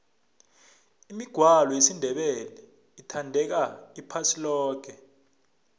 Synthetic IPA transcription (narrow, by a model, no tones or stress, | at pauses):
imiɡ̥ʱwalɔjesindʱɛɓɛlɛ | itʰandʱɛk̬aipʰasilɔːɡ̥ʱɛ